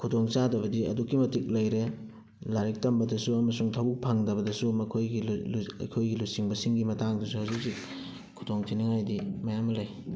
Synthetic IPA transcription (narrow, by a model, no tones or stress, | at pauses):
kʰudoŋt͡ʃadɐbɐdiɐ̰dukːimɐtik̚lɐjɾe | laɾik̚tɐmbɐdɐsuɐmɐsuŋtʰɐbuk̚pʰaŋdɐbɐdɐsumɐkʰojɡilɐ̰jkʰojɡilujsiŋbɐsiŋɡimɐtaŋdɐsuhawzik̚zik | kʰudoŋtʰiniŋajdimɐjamːɐlɐj